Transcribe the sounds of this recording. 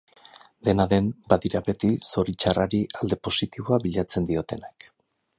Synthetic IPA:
d̪e̞naðe̞mbaðiɾabe̞t̪iso̞ɾit͡ʃaraɾiald̪e̞po̞sit̪iβ̞oaβiʎat͡se̞nd̪io̞t̪e̞nak

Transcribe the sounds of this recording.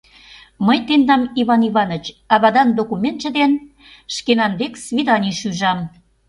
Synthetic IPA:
məjt̪end̪ɑmiβɑniβɑnə̆t͡ɕɑβɑd̪ɑnd̪okumʲent̪t͡ʃə̆d̪en | ʃkenɑnβeksβid̪ɑnʲiʃyʒɑm

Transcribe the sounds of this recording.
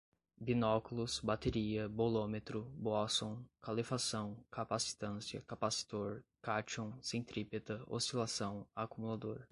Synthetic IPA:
binɔkulʊsbat̪eɾiɐbolomet̪ɾʊbɔsõw̃kalifasɐ̃w̃kʰapasi̥t̪ɐ̃siɐ̰kapasi̥t̪oɾkat͡ʃõw̃sẽj̃t̪ɾipet̪ɐo̰silasɐ̃w̃akumulad̪oɾ

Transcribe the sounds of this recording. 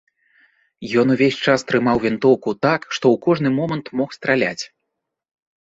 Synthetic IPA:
jɔnuvʲesʲt͡ʂast̪ɾɨmawvʲɛnt̪ɔwkut̪akʂt̪ɔwkɔʐnɨmɔmɐnt̪mɔxst̪ɾalʲa̰t͡sʲ

